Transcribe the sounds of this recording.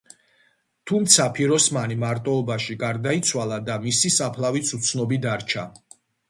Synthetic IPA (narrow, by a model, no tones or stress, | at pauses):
t̪ʰumt̪sʰapʰiɾɔsmanimaɾt̪ʼɔɔbaʃiɡaɾd̪ait̪sʰwalˠad̪amisisapʰlavit̪sʰut̪sʰnɔbid̪aɾt͡ʃʰa